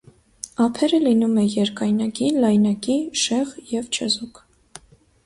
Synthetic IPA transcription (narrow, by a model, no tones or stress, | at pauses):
ɑpʰɛɾəlinumɛjɛɾkɑjnɑkilɑjnɑkiʃɛʁjɛvt͡ʃʰəzuk